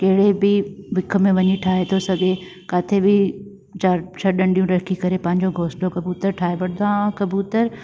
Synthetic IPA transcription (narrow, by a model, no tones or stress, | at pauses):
kɐɦɪɽebɪʋɪkʰə̆mẽʋɐɲiʈʰaːɦet̪ʰosɐɡe | kaːt̪ʰebɪ | t͡ɕaːɾt͡ɕʰɐɗɐ̃ɳɖijũɾɐkikɐɾepɐ̃ɦɪ̃ɲd͡ʑoɡʱoːsʈokɐbjuːt̪əɾʈʰaːɦeʋɐɽd̪ãkɐbuːt̪əɾ